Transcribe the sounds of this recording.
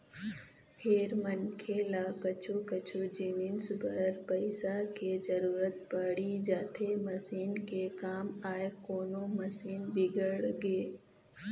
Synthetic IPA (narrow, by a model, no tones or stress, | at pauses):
pʰeɾmənkʰelaːkɐt͡ʃʰukɐt͡ʃud͡ʒɪnɪnsbɐɾpɐɪsakezɐɾuːɾət̪̚pəɽid͡ʒaːt̪ʰemɐsiːnkekaːmaːekoːnomɐsiːnbɪɡəɽɡeː